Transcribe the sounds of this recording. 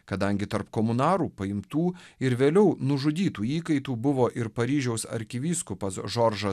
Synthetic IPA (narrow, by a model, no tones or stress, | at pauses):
kɐd̪ɐŋʲɡʲɪt̪ɐɾpkɔːmʊnɑːɾuːpɐɪmt̪uːɪɾʋʲeːlʲɛʊnʊʒʊd̪ʲiːt̪uːiːkɐɪt̪uːbʊʋoːʔɪɾpɐɾʲiːʒʲɛʊsɐ̰ɾʲkʲɪʋʲiːskʊpɐsʒɔɾʒɐ